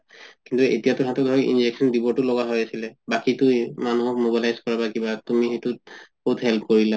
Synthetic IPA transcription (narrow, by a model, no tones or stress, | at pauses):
kintuetijatʊhãtɔdʱɔɹiʔḭnd͡ʒeksɔndibɔtʊlɔɡaɦojasilɛbakitʊjmanuɦɔkmobilajzkɔɹabakibatumixetub̥outhɛlpʰkoɹila